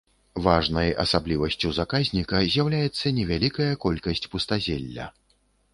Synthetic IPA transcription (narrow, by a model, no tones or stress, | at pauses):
vaʐnɐjɐ̰sablʲivɐsʲt͡sʲuzakazʲnʲikɐzʲjawlʲajɛt̪sːɐnʲɛvʲalʲikɐjɐkɔlʲkɐsʲt͡sʲpust̪azʲɛlʲːɐ̰